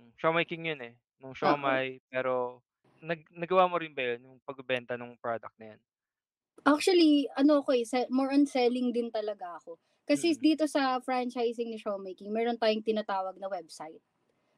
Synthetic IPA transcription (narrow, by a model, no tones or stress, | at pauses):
ŋʃomɛjkɪŋjonɛ | nʊŋʃomajpɛːɾo̞ | nɐɡnɐɡɐwaːmoɾɪnbɐjonjʊŋpɐɡ̚bɪbɛnt̪ɐnʊŋpɹod̪ɐk̚t̪nɐjan | ʔak̚t͡ʃuwɐliʔɐno̞ʔɐko̞ɛsɛmoɹʔɐnsɛlɪŋd̪ɪnt̪ɐlɐɡaʔɐko̞ | kɐsɛd̪iːt̪o̞sɐfɹant͡ʃajs̬ɪŋnɪʃomejkɪŋmɛːɾont̪aːjʊŋt̪ɪnɐt̪aːwɐɡ̚nɐwɛbsajt̪̚